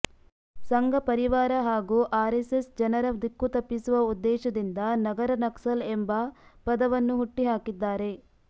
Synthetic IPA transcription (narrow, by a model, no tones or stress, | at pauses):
sɐŋɡʱɐpɐɾiʋaːɾɐɦaːɡuːʔaːɾesesd͡ʒɐnɐɾɐʋd̪ikːut̪ɐpːisuʋɐud̪ːɛːʃɐd̪ind̪ɐnɐɡɐɾɐnɐksɐlembɐpɐd̪ɐʋɐnːuɦuʈːiɦaːkid̪ːaːɾe̞